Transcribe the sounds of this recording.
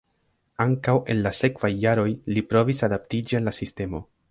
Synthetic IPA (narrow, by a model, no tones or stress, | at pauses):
aŋkawe̞̰nlase̞kv̥ajːaɾo̞jlipɾo̞visadaptid͡ʒianlasiste̞mo̞